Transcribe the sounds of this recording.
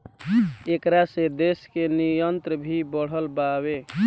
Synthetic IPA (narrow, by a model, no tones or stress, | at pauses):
ekɾased̪eskenijənt̪ɾəbʱibəɽ̤ɦəlbaβe